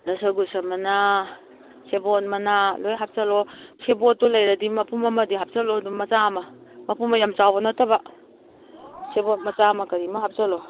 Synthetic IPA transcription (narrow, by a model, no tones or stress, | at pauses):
nasaɡusamɐna | sebɔt̚mɐnalojɦap̚salɔsʰebɔtːulajɾadimɐpʰumɐmɐdiɦap̚t͡ʃalɔdumɐt͡ʃamamɐpumajamt͡ʃawbɔnataba | sebɔt̚mɐt͡ʃamakɐɾimaɦap̚t͡ʃalɔ